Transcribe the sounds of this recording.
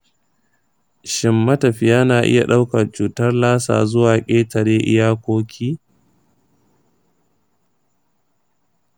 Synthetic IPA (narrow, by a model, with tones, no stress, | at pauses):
ʃɪ˨mːɐ˦tɐ˨ɸɪ˨jaː˦naː˨ʔɪ̰˦ja˨ɗa˦wkɐ˨t͡ʃuː˨tɐ˦rlaː˦sa̰ː˨zʊ˦waː˨kʲʼeː˦tɐ˨ɽeː˦ʔɪ̰˦jaː˦kʷoː˦kʲʰiː˦